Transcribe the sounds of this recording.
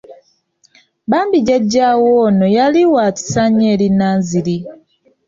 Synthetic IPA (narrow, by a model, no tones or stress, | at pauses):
baːmbiɟaɟːaːwoːnojaliwaːti̥saɲeːlinaːnzili